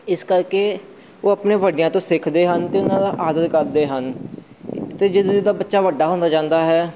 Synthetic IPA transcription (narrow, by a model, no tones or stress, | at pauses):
ɪskəɾkeː | oːəpnẽːʋəɖɪjãːt̪õːsɪkʰd̪eːɦənt̪eːʊnãːd̪aːʔaːd̪əɾkəɾd̪eːɦən | t̪eːd͡ʒɪsd̪aːbətːʃaːʋəɖːaːɦõːnd̪aːd͡ʒãːnd̪aːɦɛː